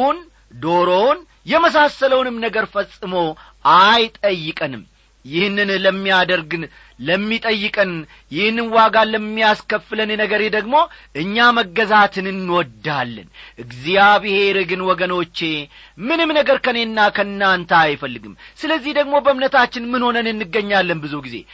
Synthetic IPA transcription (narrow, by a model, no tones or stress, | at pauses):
n | d̪o̞ɾown | jɛməsasələwnɨmnəɡəɾfəsʼɨmo | ajt̪ʼəjːɨkʼənɨm | jɪhnːɨnləmːijad̪əɾɡɨn | ləmːit̪ʼəjːɨkʼɨn | jɪhnːɨnwaɡaləmːijaskəfɨlənenəɡəɾe̞d̪əɡmo̞ʔɨɲːaməɡːəzat̪ʰɨnɨnːwɔd̪ːalːə̰nʔɨɡzijabɨhe̞ɾɨɡɨnwɔɡəno̞t͡ʃːe̞ | mɨnɨmnəɡəɾkʰəne̞nːakʰənːant̪ʰaːjfəlːɨɡɨmsɨləzːihd̪əɡmo̞bəɨmnət̪ʰat͡ʃːɪnmɨnho̞nənɨnːɨɡːəɲːalːənbɨzuɡizḛ